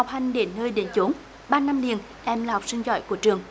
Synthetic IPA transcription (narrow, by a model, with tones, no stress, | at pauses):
wk͡p̚ha˨˩jŋ̟ɗe˨˦nːəː˧jɗe˨˦nt͡ɕo˨˦n | ɓaː˧na˧mli˨˩ən | ʔɛ˧mlaː˨˩hɔ˨˩wk͡p̚sï˧ŋzɔ̰˧˩˨jku˧˩ət͡ɕɨ˨˩əŋ